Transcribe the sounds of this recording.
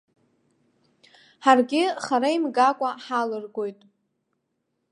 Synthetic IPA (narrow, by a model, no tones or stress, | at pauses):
ħarɡʲɪχaɾaimɡakʷʼaħalɨrɡo̞jtʼ